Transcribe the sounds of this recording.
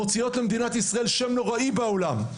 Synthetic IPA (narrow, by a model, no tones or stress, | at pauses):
ot͡sijo̞t̪lemd̪inat̪isʁaelʃemnoʁaibeolam